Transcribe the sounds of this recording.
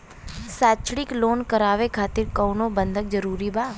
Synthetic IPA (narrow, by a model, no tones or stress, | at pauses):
saːt͡ʃɽɪkloːnkəɾaːʋekʰaːt̪ɪɾkəwnobə̃nd̪ʱək̚d͡ʒəɾuːɾibaː